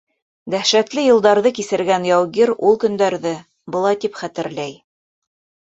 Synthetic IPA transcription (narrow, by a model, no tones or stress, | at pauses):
d̪æhʃæt̪lɘjɤ̆lˠd̪ɑɾðɤkisɘ̆ɾɡænjɑwɡiɾulˠkɵ̆nd̪æɾðɘ | bɤ̆lˠɑjt̪ipχæt̪ɘ̆ɾlæj